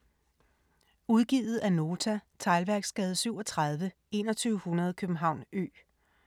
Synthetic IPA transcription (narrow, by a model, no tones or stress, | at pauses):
uðˠɡ̥iðð̩ˠæno̝ːt͡sʰæt͡sʰɑ̈ɪlʋæɐɡ̥sɡ̥ɛːð̞̩ˠsyʊɒ̽t͡sʰʁɑð̞ˠʋə | e̝ːnɒt͡sʰyːʊəhunɐð̞ˠkʰøb̥m̩ɦɑ̈ʊ̰nø̰ː